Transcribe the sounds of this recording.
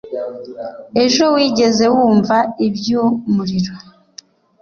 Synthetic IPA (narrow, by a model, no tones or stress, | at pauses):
e̞ʒo̞wiːɟe̞ze̞wuːɱvaibjumuɾiɾo̞